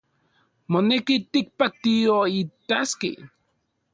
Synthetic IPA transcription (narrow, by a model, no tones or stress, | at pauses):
monekit̪ik̚pat̪ioit̪askḭ